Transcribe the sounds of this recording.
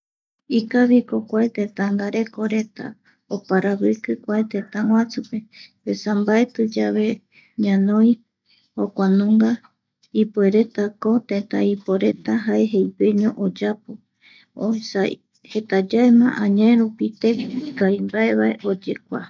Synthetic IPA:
ikaβikokʷaet̪et̪aŋɡaɾe̞ko̞ɾe̞t̪a̰ | opaɾaβɨkɨkʷaet̪et̪ãŋʷwãt͡sɨpe̞pesambae̞t̪ɨd͡ʒaβe̞ | ɲãnõj̃ | hokʷanũŋɡa | ipue̞ɾe̞t̪ako̞t̪et̪a̰ipoɾe̞t̪aɦae̞ɦejpeɲõʔod͡ʒapo | oa | he̞t̪ad͡ʒaemã̰ʔãɲãẽɾupit̪ekaimbae̞βae̞ʔod͡ʒe̞kʷa̰

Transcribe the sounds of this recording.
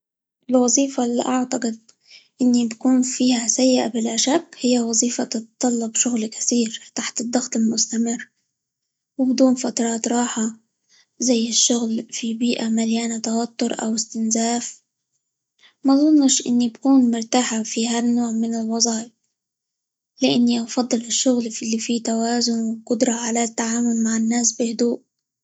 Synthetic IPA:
ʔɪlwɑzˤiːfalʔaʕt̪ɑqɪd̪̚ | ʔɪnːibakuːnfiːhasajːɪʔabɪlʔaʃakːhɪjːawɑzˤiːfat̪ɪt̪t̪ˤːɑlːɑbʃʊɣlkḁθiːɾt̪aħt̪ɪd̪ːɑxt̪ˤɪlmʊst̪amɪrː | wɪbd̪uːnfat̪ɾˤɑːt̪ɾˤɑːħa | zajːɪʃːʊɣlfibiːʔamaljaːnat̪awat̪ːʊɾˤʔa̰wɪst̪ɪnzaːf | mazˤʊnːɪʃʔɪ̰nːibkuːnmʊɾt̪aːħafiɦanːoːʕmɪnɪlwɑzˤɑːjɪb | lɪʔanːiʔɑfɑd̪ˤːɨlɪʃːʊɣllːifit̪awaːzʊnwqʊd̪ɾˤɑʕalat̪ːaʕaːmʊlmaʕɪnːaːsbɪhʊd̪uːʔ

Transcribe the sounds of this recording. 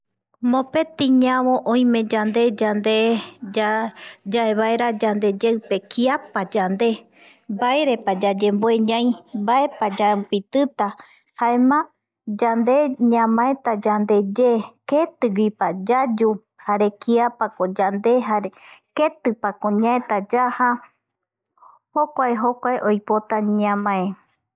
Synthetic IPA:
mõ̞pe̞t̪ĩɲãβõ̞ʔõj̃mẽ̞d͡ʒand̪e̞d͡ʒand̪e | d͡ʒae̞βaeɾad͡ʒand̪e̞d͡ʒewpe̞kiapad͡ʒand̪e̞ | baeɾe̞pad͡ʒad͡ʒemboeɲãj̃bae̞pad͡ʒapit̪ɨt̪a | haemã | d͡ʒand̪e̞ɲãmãẽt̪ad͡ʒand̪e̞d͡ʒeket̪ɨɡipad͡ʒad͡ʒu | haɾe̞kiapakod͡ʒand̪e̞ɦaɾeke̞t̪ɨpakõɲãẽt̪ad͡ʒaha | hokʷaeɦokʷaeʔojpot̪aɲãmãẽ

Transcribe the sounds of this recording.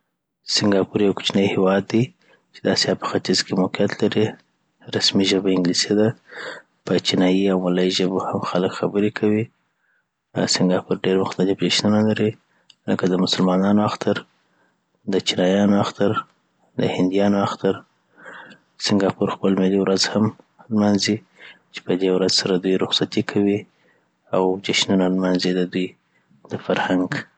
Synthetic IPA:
sɪŋɡɑpuɾjawkʊ̥t͡ʃnəjhewɑd̪ːi | t͡ʃed̪asjɑpə̥xat̪izkemoqijat̪laɾi | ɾasmiʒəbaɪŋɡlised̪a | pət͡ʃinɑjiawmalɑiʒəbohamxaləkxabəɾekʰawi | sɪŋɡɑpuɾɖeɾmʊxt̪alɪpɾeʃnunalaɾi | ləkad̪əmʊsʊlmɑnɑnoaxt̪aɾ | d̪ət͡ʃinɑjɑnoaxt̪aɾ | d̪ə̰hɪnd̪ijɑnoaxt̪aɾ | sɪŋɡɑpuɾxpəlmɪliwɾazham | lmanzi | t͡ʃe̥pəd̪ewɾazsaɾad̪ujɾʊxsat̪ikʰawi | awd͡ʒaʃnunalmanzid̪əd̪uj | d̪əfaɾhaŋɡ

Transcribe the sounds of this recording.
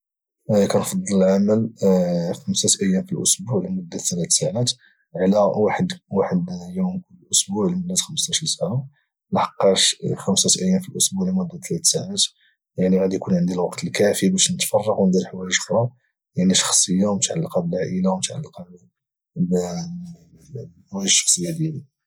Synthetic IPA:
kænfɑd̪ˤːɑləlʕaməl | xəmsæt̪ʔəjːæmfilʔʊsbuʕlimʊd̪ːat̪ælæt̪saʕat̪ | ʕlæwaħəd̪waħəd̪jumkʊlːəlʔʊsbuʕlimʊd̪ːæt̪xəməst̪aʃɾinsaʕa | lɑħɑ̥qːɑʃxæmsæt̪ʔəjːæmfilʔʊsbuʕlimʊd̪ːæt̪ʰlæt̪saʕat̪ | jaʕniɣæd̪ijkunʕənd̪ilwɑqt̪əlkæfibæʃnət̪fɑrˤːɑɣwnd̪iɾħwæliʃxɾˤɑ | jaʕniʃɑ̥xsˤəjːawmt̪ʕalːɑqɑbəlaʕʔilawmət̪ʕa̰lːɑqɑb | b | wælʃɑ̥xsˤəjːad̪jæli

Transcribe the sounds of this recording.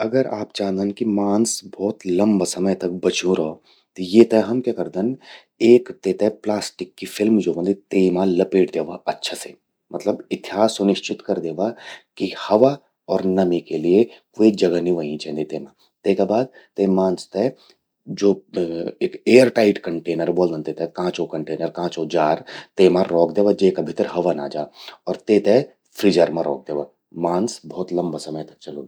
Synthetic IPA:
ɐɡəɾa̰ːp̚d͡ʒaːnd̪ənkimaːnsbɔːt̪lɐ̃mbasɐməjt̪ɐk̚bɐt͡ʃũɾɐo | t̪ojet̪ɛɦɐmkakɐɾd̪ən | eːkt̪eːt̪ɛplaːsʈɪkːifʰɪlmd͡ʒoːbə̃nd̪it̪eːmãlɐpeːʈd̪eːʋaʔɐtːʃʰase | mɐt̪ləbɪt̪ɪjaːsʊnɪʃt͡ʃɪt̪kɐɾd̪eːʋakihɐʋa | ɔːɾnɐmikeliekoːid͡ʒɐɡəniʋəĩt͡ʃɛ̃nd̪it̪eːmã | t̪eːkabaːd̪̚ | t̪emãːnst̪ɛ | d͡ʒoːeːkeːjəɾʈaːɪʈkɐɳʈeːnəɾbold̪ɐnt̪et̪ɛkãːt͡ʃokɐɳʈeːnəɾkãːt͡ʃod͡ʒaːɾt̪emãːɔːkd̪eːʋad͡ʒekabʱɪt̪ɾɦɐʋana̰ːd͡ʒaːɔːɾt̪eːt̪ɛ | pʰɾiːd͡ʒəɾmãɾɔ̰ːk̚d̪eːʋa | mãːnsbɔːt̪lɐ̃mbasɐməjt̪t͡ʃɐlo̰

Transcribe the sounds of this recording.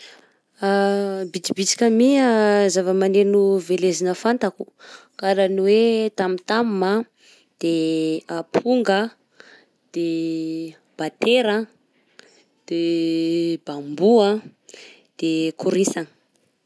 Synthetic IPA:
abid̪ibit͡ʃi̥kʲəmiazavəmanenuvelezinəfant̪akukaɾaniwet̪amit̪amma | d̪̥eapʰuŋɡə | d̪̥e | b̥at̪eɾa | d̪̥e | b̥ambua | d̪̥ekuɾisanə

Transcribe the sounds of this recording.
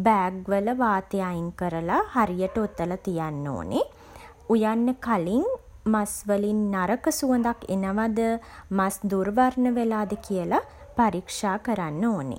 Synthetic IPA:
bæːɡʋələʋaːt̪əjajiŋkəɾəlahaɾijəʈəut̪ːəlat̪ijanːo̰ːne | ujanːəkaliŋ | masʋəlinːaɾəkəsuənd̪akḛnəʋad̪əmasd̪uɾʋaɾnəʋelaːd̪əkijəla | paɾikʂaːkəɾanːoːnḛ

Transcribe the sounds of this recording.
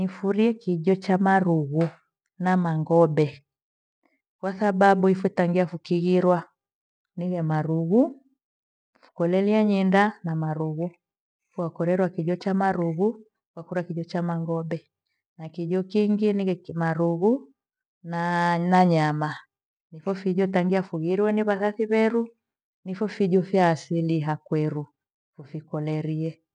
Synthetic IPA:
nifuɾiɛkiɟɔt͡ʃamaɾuɣu | namaŋɡɔbɛ | kwasababuifutaŋɡiafukiɣiɾwa | niɣɛmaɾuɣu | fu̥kɔlɛliaɲɛndanamaɾuɣu | fuakɔɾɛɾwakiʄɔt͡ʃamaɾuɣu | uwakuɾakiɟɔt͡ʃamaŋɡɔbɛ | nakiʄɔkiŋɡiniɣɛmaɾuɣu | nanaɲama | nifɔfiɟɔtaŋɡiafuɣiɾiwɛniβasafiβɛɾu | nifɔfiɟɔfjaːsiliɦakwɛɾu | fufikɔlɛɾiɛ

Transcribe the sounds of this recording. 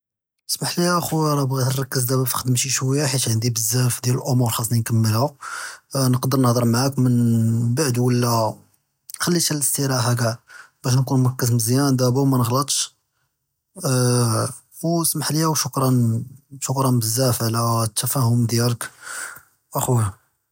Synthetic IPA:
smaħliʔæxuɾˤɑbɣit̪ərˤɑkːəzd̪æbæfi̥xd̪əmʃiʃwəjːaħiʃʕənd̪ibəzːæfd̪jæləlʔomʊɾxɑsˤninkəmːəlhæ | nəqd̪əɾˤnəhd̪ˤəɾˤmaʕakmənbaʕd̪wəlːæ | xælːiʃæləst̪iɾæɦæk̬æb̥æʃ̬nkunmʊɾkːəz̬məzjænd̪æbuwmænəɣlət̪ˤʃ | wsmaħliæwʃʊkɾˤɑnʃʊkɾˤɑnbəzːæfʕlæt̪ːæfæhʊmd̪jælək | ʔæxw

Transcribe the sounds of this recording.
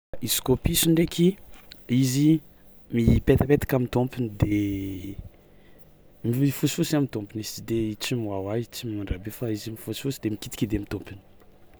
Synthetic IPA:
iskopisiɳɖ͡ʐekʰʲiizi | mipet̪əpet̪ḁkamit̪ompind̪e | mifusi̥fusiamit̪ompinisi̥d̪et͡simwawait͡simimaɳɖ͡ʐabefaizimifusi̥fusid̪emikit̪i̥kʲid̪emit̪ompini̥

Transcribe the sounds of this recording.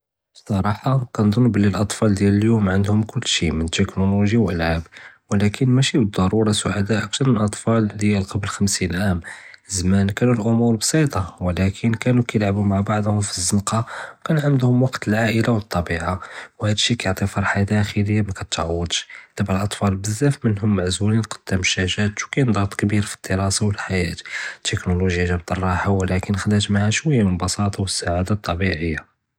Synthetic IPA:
sˤɑɾˤɑħɑkænd̪ˤʊnːbəlːilʔɑt̪ˤfɑld̪jæləljumʕənd̪hʊmkʊlːʃimənt̪ːəknuluʒiwʔəlʕabwəlækʰənmæʃibəd̪ˤːɑɾˤuɾˤɑsʊʕad̪aʔæk̚t̪ɑɾˤmənʔɑt̪ˤfɑld̪jælqɑblxæmsinʔæmzmænkænulʔʊmuɾbsˤit̪ˤɑwəlækʰənkænukæjəlʕabumaʕbɑʕd̪ˤhʊmfizːənqɑwkænʕamd̪hʊmwɑqt̪əlʕaʔəlawət̪ˤːɑbiʕawhæd̪əʃːikæjʕt̪ˤifɑɾˤħad̪æʔæxiləjːamækæt̪ʕɑwːəd̪ˤʃt̪æbʕalʔɑt̪ˤfɑlbəzːæfmənɦʊmːaʕzulinqɑ̥d̪̥ːəmʃæʒæt̪wkænd̪ˤɑt̪ˤkbiɾfi̥d̪̥ːəɾɑsawəlħajæt̪t̪ːəknoluʒjaʒæbt̪ˤːɑrˤːɑħawəlækənxd̪æt̪maʕæʃwəjːaməlbɑsɑt̪ˤɑwəsːaʕad̪at̪ˤːɑbiʕəjːa

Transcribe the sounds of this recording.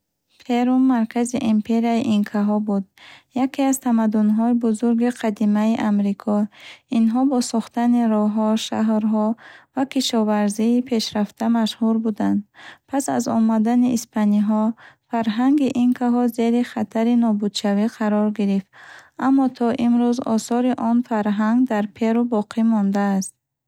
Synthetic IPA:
fʰe̞ɾumːaɾkʰaziʔimpʰe̞ɾiaiʔinkʰaɦɔbud̪̚jakʰiazt̪ʰamad̪unɦɔibuzuɾɡiqʰad̪imaiʔamɾikʰɔinɦɔbɔsɔχt̪aniɾɔɦɔʃaɦɾɦɔvakʰiʃɔvaɾziːpʰe̞ʃɾaft̪ʰamaʃhuɾbud̪and̪pʰasa̰zɔ̰mad̪aniʔːspʰaniɦɔfaɾɦaŋɡiʔiŋkʰaɦɔze̞ɾiχat̪ʰaɾinɔbud̪ʃaviqʰaɾɔɾɡiɾift̪amːɔt̪ʰɔʔimɾuzɔsɔɾiʔɔnfaɾɦaŋɡd̪aɾpʰe̞ɾubɔqʰimɔnd̪aːst̪̚

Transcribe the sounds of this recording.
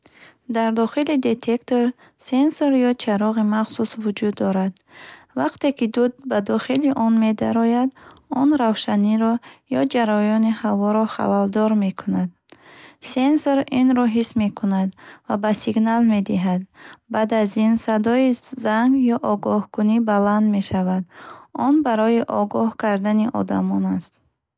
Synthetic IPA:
d̪aɾd̪ɔχilid̪e̞t̪ʰekt̪oɾ | sensoɾjɔt͡ʃʰaɾɔʁimaχsusvud͡ʒud̪ːɔɾad̪ | vaqt̪e̞kid̪ud̪̚bad̪ɔχiliʔɔnme̞d̪aɾɔjad̪ɔnɾavʃaniɾɔjɔd͡ʒaɾɔjɔnihavɔɾɔχa̰lald̪ɔɾme̞kʰunad̪̚sensoɾinɾɔɦisme̞kʰunad̪vabasiɡnalme̞d̪iɦad̪̚bad̪azinsad̪ɔizaŋɡjɔʔɔɡɔhkunibaland̪me̞ʃavad̪ɔnbaɾɔjiʔɔɡɔhkaɾd̪aniʔɔ̰d̪amɔnast̪̚

